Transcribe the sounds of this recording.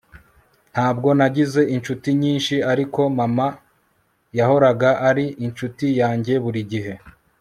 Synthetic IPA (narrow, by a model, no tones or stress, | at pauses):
n̥haːb̚ɡo̞naɟize̞ʔint͡ʃutiɲiːnʃiaɾiko̞mama | jaɦho̞ɾaɡaʔaɾiʔint͡ʃutijaːɲɟe̞βuɾiɟiɦe̞